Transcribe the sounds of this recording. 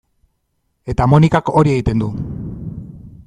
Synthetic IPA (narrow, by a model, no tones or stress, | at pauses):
e̞t̪amonikako̞ɾie̞ɣit̪e̞nd̪u